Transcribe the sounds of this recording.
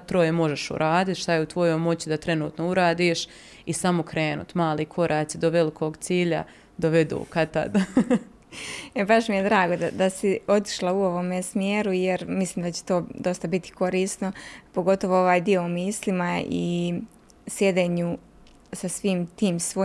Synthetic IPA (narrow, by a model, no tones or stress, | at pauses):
t̪ɾo̞jemo̞ʒeʃṵɾʔaːd̪it̪ʃt̪ajeut̪ʋo̞jojmo̞t͡ɕid̪at̪ɾe̞nuːt̪nouɾaːd̪iːʃ | isamokɾeːnṵt̪maːlˠiːkʰo̞ɾʔaːt̪sid̪oʋelikʰoːɡt̪siːʎa̰ | d̪oʋed̪ṵːkat̪a̰d̪a | ebaʃmijed̪ɾaːɡo̞d̪ad̪asio̞t̪i̥ʃlˠauo̞ʋomesmjeːɾujeɾmislˠiːmd̪at͡ɕe̥t̪o̞ːd̪o̞st̪abit̪i̥ko̞ɾiːst̪no̞po̞ɡo̞t̪o̞ʋoo̞ʋaːjd̪io̞umiːslimaḭ | sje̞d̪eɲu | sasʋiːmt̪iːmsʋo